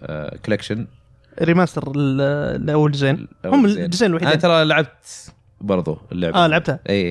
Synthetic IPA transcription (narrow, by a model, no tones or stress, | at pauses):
kʊlekʃɪn | ɾɪmaːst̪ɑɾɪlʔawːald͡ʒɪzeːnhʊmːɪd͡ʒɪzeːnɪlwaħiːat̪ɑɾˤɑlaʕab̚t̪ | bɑɾˤðˤṵɪlːʊ̰ʕʔaːlaʕab̚t̪haʔiː